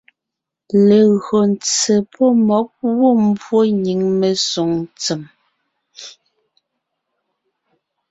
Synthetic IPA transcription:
le˨ɣɰo˨n˨t͡se˨pʰɔ˦mɔ˨˦k̚wo˦m˦bwo˦˨ɲi˨˦ŋme˨so˨˦ŋt͡se˨m

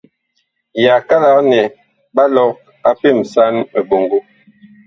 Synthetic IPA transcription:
ja˨ka˦la˦nɛ˨ | ba˦lɔ˨˦k | a˦pe˦˨m˨sa˦nme˨bo˨ŋɡo˦

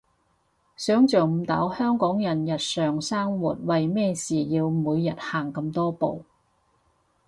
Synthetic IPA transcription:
sœː˨˥ŋt͡sœː˨˩m̩˨˧t̪ɐ̰ː˨˥whœː˥ŋkɔː˨˥ŋjɐ˨˩njɐ˨t̚sœː˨ŋsaː˥ŋwuː˨t̚wɐ˨jmɛː˥siː˨jiː˧wmuː˨˧jːɐ˨˩t̚haː˨˩ŋkɐ˧mt̪ɔː˥po˨w

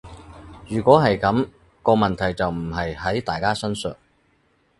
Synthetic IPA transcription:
jyː˨˩kʷɔː˨˥ɦɐ˨jkɐ˨˥m | kɔː˧mɐ˨nt̪ʰɐ˨˩jt͡sɐ˨wm̩˨˩ɦɐ˨jhɐ˨˥jt̪aː˨˩jkaː˥sœ˥nsœ̰ː˨ŋ̚

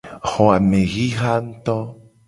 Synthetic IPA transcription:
xo˨a˨me˨ɣi˦xa˦nt̪o˦

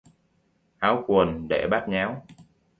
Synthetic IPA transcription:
ʔaː˨˦wku˨˩ənɗḛ˧˩ɓaː˦˥t̚ɲaː˨˦w

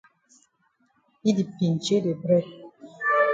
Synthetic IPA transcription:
i˦di˨pi˨n˨t͡ʃe˦de˨bɾɛ˦˨

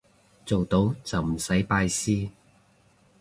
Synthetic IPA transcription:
t͡so˨wt̪o˨˥wt͡sɐ˨wm̩˨˩sɐ˨˥jpaː˧jsiː˥

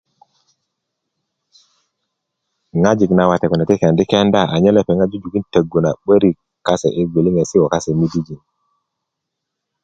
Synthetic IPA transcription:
ŋa˦d͡ʒi˨kna˨wa˨te˨ku˨na˨ti˦ke˨ndi˦ke˦nda˦˨ʔa˨ɲe˦le˦pe˨ŋa˦d͡ʒu˦d͡ʒu˨ki˦ntə˨ɡu˨na˨ɓə˦ɾi˨ | kːa˦sḛ˨ʔi˦ɡʷi˨li˦ŋe˨si˦wo˨ka˦se˨mi˦di˦d͡ʒi˨n

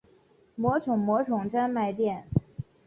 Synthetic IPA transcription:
mwɔ˧˥ʈ͡ʂʰʊ˨˩ŋmwɔ˧˥ʈ͡ʂʰʊ˨˩ŋʈ͡ʂa˥nma˥˧ɪt̪̬jɛ˥˩n

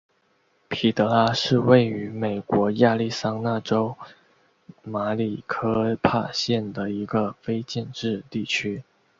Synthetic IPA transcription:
pʰi˨˩t̪ɤ˧˥la˥ʂɻ̩˥˧we˥˩ɪy˧˥me˨˩ɪkwɔ˧˥ja˥˧li˥˩sa˥ŋna˥˩ʈ͡ʂo˥ʊ | ma˧˥li˨˩kʰɤ˥pʰa˥˩ɕjɛ˥˩nd̪ə˩i˧˥ɡə˧fe˥ɪt͡ɕɛ˥˧nʈ͡ʂɻ̩˥˧t̪i˥˩t͡ɕʰy˥

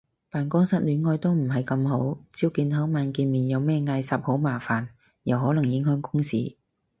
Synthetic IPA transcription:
paː˨nkɔː˥ŋsɐ˥t̚lyː˨˥nŋɔː˧jt̪o˥wm̩˨˩ɦɐ˨jkɐ˧mho˨˥wt͡siː˥wkiː˧nhɐ˨˥wmaː˨˧nkiː˨˧nmiː˨˩njɐ˨˧wmɛː˥ŋaː˧jsɐ˨˥p̚ho˨˥wmaː˨˩faː˨˩n | jɐ˨wɦɔː˨˥lɐ˨˩ŋjɪ˨˥ŋhœː˥ŋkʊ˥ŋsiː˨˩

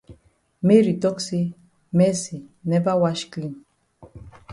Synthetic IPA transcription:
me˦ɾi˨tɔ˦ksi˦ | mɛ˦si˨nɛ˦ba˦wa˦ʃkli˦m

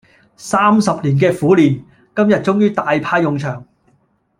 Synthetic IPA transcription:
saː˥msɐ˨p̚liː˨˩nk̬ɛː˧fuː˨˥liː˨˩n | kɐ˥mjɐ˨t̚t͡sʊ˥ŋjyː˥t̪aː˨˧jpʰaː˧jːʊ˨ŋt͡ʃʰœː˨˩ŋ

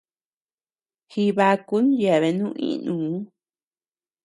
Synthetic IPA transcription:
hi˧βa˧ku˦nja˨βe˧nũː˦˧˦ʔḭ̃˦˧nũː˨˦

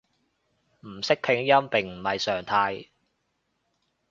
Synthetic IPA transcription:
m̩˨˩sɪ˥k̚pʰɪ˨˥ŋjɐ˥mpɪ˨˩ŋm̩˨˩hɐ˨jsœː˨˩ŋt̪ʰaː˧j

